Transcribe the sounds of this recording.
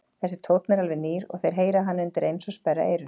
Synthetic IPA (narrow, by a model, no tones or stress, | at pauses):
θɛsːɪ̥t̪ʰowt̪nɛɾalvɪniːɾɔ̰ɣθejɾ̥ɦeːjɾaɦanːɪʏnt̪ɪɾejnsɔspɛɾa̰ʔeːjɾʏ